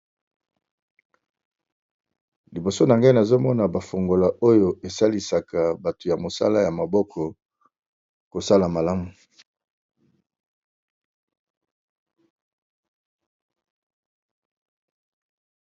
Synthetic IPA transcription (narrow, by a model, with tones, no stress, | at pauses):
li˨bo˨so˦na˨ŋɡa˦i˦na˨zo˦mɔ˦na˨ba˨fo˨ŋɡo˨la˨ʔo˦jo˨ʔe˨sa˦li˨sa˨ka˨ba˨to˨ja˨mo˨sa̰˦la˦ja˨ma˨bɔ˦kʰɔ˨ | ko˨sa˦la˨ma˨la˦mu˨